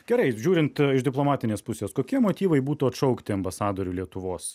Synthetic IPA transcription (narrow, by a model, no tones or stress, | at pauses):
ɡʲɛɾɐɪʒʲuːɾʲɪnt̪ɪʃd̪ʲɪplˠoːmɑːt̪ʲɪnʲeːspʊsʲeːskoːkʲiɛmoːt̪ʲiːʋɐɪbuːt̪uːɐt̪ʃɐʊkt̪ʲɪɐmbɐsɑːd̪oːɾʲulʲiɛt̪ʊʋoːs